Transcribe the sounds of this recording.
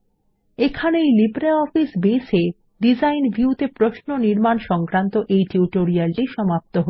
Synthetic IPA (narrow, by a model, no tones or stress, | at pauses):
ekʰanejlibɾaɔfisbese | ɖid͡ʑajnbʱiut̪epɾoʃnoniɾmanʃɔŋkɾant̪oʔejʈiuʈoɾialʈiʃɔmap̚t̪oɦo